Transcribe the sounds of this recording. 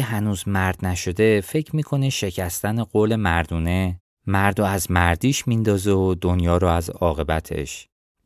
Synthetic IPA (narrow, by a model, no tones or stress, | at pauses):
eɦænuːzmæɾd̪̥næʃo̞d̪e̞fe̞cʰmiːkʰo̞neʃe̞cʰæst̪æneɢoːle̞mæɾd̪uːne̞ | mæɾd̪ɔæzmæɾd̪iːʃmind̪ɒːzeod̪o̞njɒːɾɔːæzɒːɣe̞bæt̪ʰe̞̰ʃ